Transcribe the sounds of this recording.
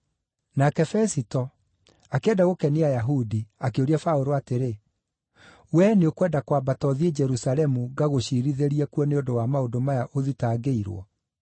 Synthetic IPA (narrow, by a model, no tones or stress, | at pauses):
nakɛfɛsitɔ | akeɛːdaɣokɛniajaɦudiakeoɾiafaoɾoateɾe | wɛneokwɛdakwabatɔðied͡ʒɛɾusalɛmuɡaɣoɕiɾiðeɾiɛkuɔneondowamaodomajaʔoðitaːɡeiɾwɔ̰